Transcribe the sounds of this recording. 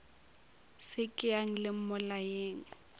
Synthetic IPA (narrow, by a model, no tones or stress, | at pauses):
sɪkʼɪaŋ̩lɪm̩mʊlajeːŋ̩